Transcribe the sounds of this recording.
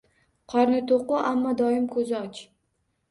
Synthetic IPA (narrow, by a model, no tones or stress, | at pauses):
qʰɒɾnɪt̪ʰoqʊʔamːɒd̪ɒjɪmkʰɵzɪɒt͡ʃ